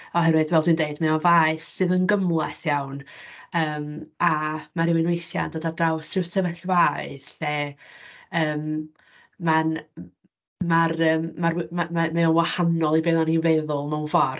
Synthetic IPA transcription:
ɔɦɛɾwɨðwɛlˠd̥ʰwɨndeɨdmɛɔvaɨsːɨðənɡəmlˠɛθjawnəːmamaɾɪwɪnwejθja̰nd̥ɔdardrawsrɪwsəvɛɬwaɨθɛ | əːm | man | marəːmːarmamamɛɔnwahanɔlˠibɛnˠanivɛðʊlˠmawnvɔr

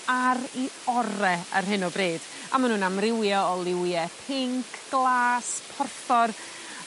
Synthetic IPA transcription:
aɾiɔɾɛə̰rɦɨnɔbreːd̥ | a̰manuːnamrɪwjɔɔlˠɪwjɛpʰɪŋkʰɡ̥lˠaːspʰɔrθɔr

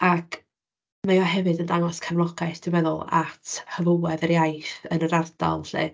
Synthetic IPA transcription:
akʰ | majɔɦɛvɨdəndaŋɔskʰanlˠɔɡ̥aɨθd̥ɪwɛðʊlˠa̰tʰhəvəwɛðəɾjajθənəɾardɔ̰lˠɬɨ̰

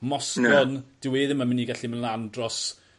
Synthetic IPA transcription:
mɔskɔnd̥ɪweːðəmamɪniɡaɬimənlˠandrɔs

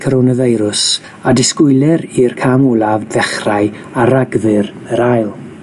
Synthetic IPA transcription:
kʰəɾɔnəvejɾʊs | adɪskʊɨlˠɛɾirkʰamʊlˠavðɛχraɨ | aɾaɡðɨɾ | əɾajlˠ

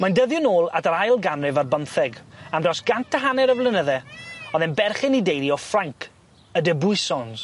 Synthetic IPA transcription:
mandəðjʊnoːlˠa̰daɾajlˠɡamrɪvarbəmθɛɡamdrɔsɡ̥antʰəɦanɛɾəvlˠɪnəðɛɔðɛnbɛrχɪnidejðiɔfraŋkʰ | ədəbʊɨsɔns

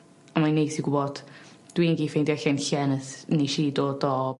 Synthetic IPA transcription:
amanejsiɡʊbɔd̥ | d̥wiːnɡiːfejndjɛɬɛnɬɛnəθniʃiːdoːdɔ

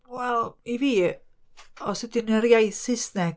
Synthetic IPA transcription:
wɛlˠiviː | ɔsɪtɪnəɾjajθɪsnɛ

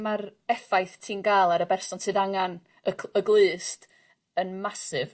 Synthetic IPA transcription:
maɾɛfajθtʰiːnɡalˠaɾəbɛrsɔnsɨːðaŋan | əəɡlˠɨːst | ənmasɨv

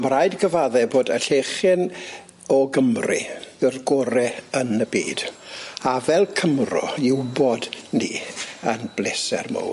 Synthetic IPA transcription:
mrajdɡəvaðɛboːdəɬeχɪn | ɔɡəmrḭðɪrɡɔɾɛənəbḭːd̥avɛlˠkʰəmrɔ̰ɪwbɔdnḭənb̥leːsɛ̰rmo̰w

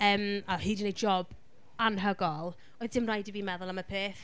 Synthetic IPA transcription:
əːmahiːdənejd͡ʒɔb̥ | anɦəɡɔlˠ | ojðdɪmrajdəviːmɛðʊlˠaməpʰeːθ

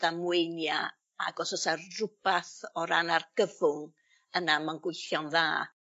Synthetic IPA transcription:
d̥amwejnja | aɡɔsɔsarrʊb̥aθɔɾanarɡ̥əvʊŋ | ənamanɡwɪjθjɔnðaː

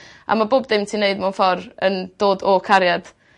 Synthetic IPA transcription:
a̰maboːbdɪmtʰineɨdmanfɔrənd̥oːdɔkʰaɾjad̥

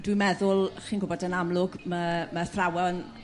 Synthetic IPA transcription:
d̥wɪmɛðʊlˠχiːnɡʊbɔdənamlˠʊɡməməθrawɔn

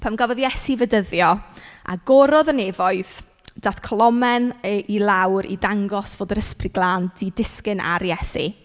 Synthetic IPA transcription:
pʰamɡavɔðjɛsivədəðjɔa̰ɡɔɾɔðənevɔɨð | d̥aθkʰɔlˠɔmɛnəʔilˠawɾḭdaŋɡɔsv̥oːdəɾəsprɪɡlˠaːndidɪskɨnʔa̰ɾjɛsḭ

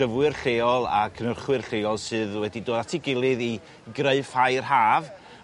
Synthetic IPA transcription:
əvwɨrɬeːɔlˠa̰kʰənərχwɨrɬeːɔlˠsɨːðwɛdidoːdatʰɪɡɪlˠɨði | ɡreɨfhajrhaːv

